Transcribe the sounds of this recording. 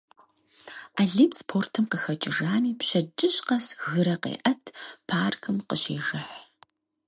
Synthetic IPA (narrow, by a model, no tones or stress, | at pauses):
aːɮiːpspʰoːrtʰɨmqəxɐt͡ʃʼɪʐaːniːpɕɐd͡ʒʼɪɕqɐsɣɨɾɐqḛːʔɐtʰpʰaːrkʰɨmqəɕeːʒɐħ